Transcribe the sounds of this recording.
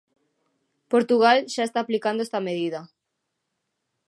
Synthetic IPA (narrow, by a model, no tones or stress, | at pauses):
poɾt̪uɣalʃaest̪aːplikand̪oest̪ameðiðɐ